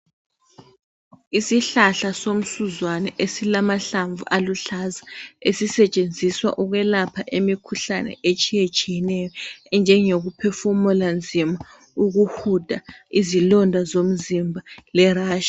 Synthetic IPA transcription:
isiɬaɬasom̩suzwanɛʔesilamaɬaɱvṵʔaluɬazaesisɛt͡ʃʼend͡zʱiswa̰ʔuɣwɛlapʰaʔemikʰuɬanɛ̰ʔet͡ʃʼijet͡ʃʼijɛnɛjɔɛnd͡ʒʱɛŋoɣupʰɛfumɔland͡zʱima | uɣuhud̥ʱaizilɔndʱazom̩zimbʱalɛraːʃḁ

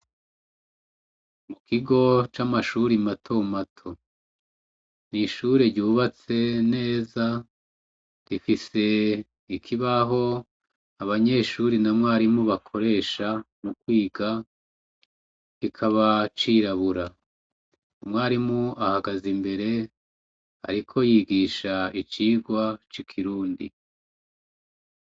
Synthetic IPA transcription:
mukʰiɡo̞t͡ʃamaʃuɾimatʰomatʰo̞ | niʃuːɾeɾɟuːβat͡se̞ne̞ːza | ɾifise̞ | ikʰiβaɦo̞ | aβaɲe̞ʃuːɾinamŋaːɾimuβakʰo̞ɾe̞ːʃanukwiːɡa | ikʰaβat͡ʃiɾaβuɾa | mŋaːɾimuahaɡazimbe̞ɾe̞ | a̰ɾikʰo̞jiːɡiːʃait͡ʃiːɡwat͡ʃikʰiɾuːndḭ

